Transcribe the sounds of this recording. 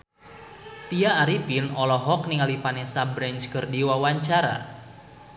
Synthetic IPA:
t̪iaːɾipinɔlɔɦɔkniŋalipanɛsabɾɛɲt͡ʃkərdiwawaɲt͡ʃaɾa̰

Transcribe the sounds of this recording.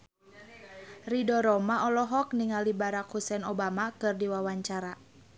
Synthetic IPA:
ridɔɾɔmaʔɔlɔɦɔk̚niŋalibaɾakhusɛnɔbamakɨrdiwawaɲt͡ʃaɾa

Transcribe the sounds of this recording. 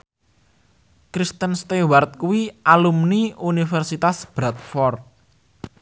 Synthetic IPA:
kɾist̪ənst̪ewart̪̚kuwiʔalumniunifɛrsit̪asb̥ɾat̪̚fɔrt̪̚

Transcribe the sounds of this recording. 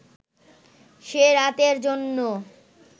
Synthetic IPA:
ʃeɾat̪eɾd͡ʑonːo

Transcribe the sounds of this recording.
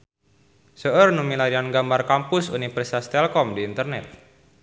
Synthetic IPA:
səʔərnumilaɾianɡambarkampʊsṵnifərsast̪ɛlkɔmdiːnt̪ərnɛt̪̚

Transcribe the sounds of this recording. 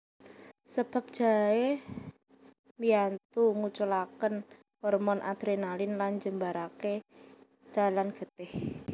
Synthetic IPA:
səb̥a̤p̚ʒ̥a̤e | miant̪uŋut͡ʃulakən | hɔrmɔnʔa̰d̪̥ɾenalɪnland͡ʒəmbaɾake | d̪̥a̤lanɡ̥ət̪ɪh

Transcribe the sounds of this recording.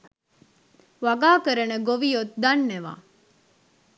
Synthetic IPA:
ʋɐɡaːkəɾɐnəɡoʋijot̪d̪ɐnːeʋa̰ː

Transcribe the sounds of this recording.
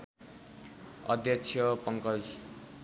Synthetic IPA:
ʌ̰d̪jʌkt͡sʰjʌpʌŋkʌd͡z

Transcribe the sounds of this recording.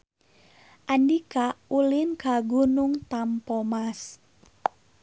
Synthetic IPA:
ʔandikaulɪnkaɡunuŋt̪ampɔmas

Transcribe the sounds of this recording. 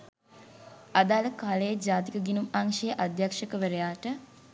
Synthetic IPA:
ad̪aːləkaːləjed͡ʒaːt̪ikəɡinumaŋʃejəʔad̪jakʂəkəʋəɾejaːʈə

